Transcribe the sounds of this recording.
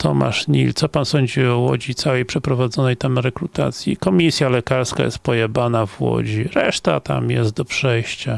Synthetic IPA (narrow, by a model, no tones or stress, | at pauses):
t̪ʰɔma̰ʂɲḭlt̪sɔpansɔɲd͡ʑiɔwɔd͡ʑit̪sawɛjpʂɛpɾɔvad̪zɔnɛjt̪amɾɛkɾut̪a̰t̪sʲjikɔmʲisʲjalɛkaɾska̰jɛ̰st̪̚pɔjɛbanavwɔ̰d͡ʑiɾɛʂt̪at̪a̰mjɛst̪̚d̪ɔpʂɛjɕt͡ɕa